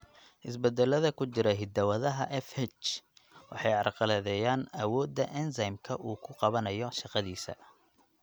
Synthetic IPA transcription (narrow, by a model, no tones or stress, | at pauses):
ʔɪs̬bɛd̪ɛlɐðɐkʰʊt͡ʃɪɾɐɦɪd̪ɐwɐðɐɦɐʔɛfɛt͡ʃwʔɑ̰ħɑjʕɑrqɑlɛðɛjaːnɐwɔːd̪ːɐʔɛnsɐjmkʰɐʔuːkʰʊqɑβɐnɐjɔʃɑqɑðiːsɐ̰